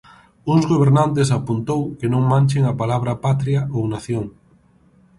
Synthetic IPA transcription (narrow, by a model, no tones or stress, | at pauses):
uŋzɣoβ̞eɾnant̪̬esapunt̪owkenõŋmãnʲt͡ʃeŋapalaβ̞ɾapat̪ɾjaʔownaθjoŋ